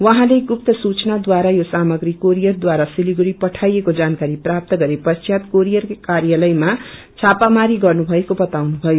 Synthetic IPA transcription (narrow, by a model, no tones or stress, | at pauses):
wʌɦãleɡup̚t̪ʌsut͡snad̪waɾajosamʌɡɾikoɾijʌrd̪waɾasiliɡɾipʌʈʰajekod͡zankaɾiprap̚t̪ʌɡʌɾepʌt͡sʰjat̪koɾijʌrkkarjalʌjma | t͡sʰapamaɾiɡʌrnubʱʌekobʌt̪awnubʱʌjo